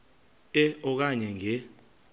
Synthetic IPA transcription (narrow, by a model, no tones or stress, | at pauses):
ɛɔk̬aɲɛŋɛ